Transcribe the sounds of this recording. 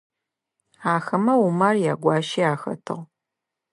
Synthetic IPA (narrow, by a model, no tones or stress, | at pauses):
aːxɐmɐwumɐrjaːɡʷɑːʃiaːxɐ̰tʰɨ̰ʁ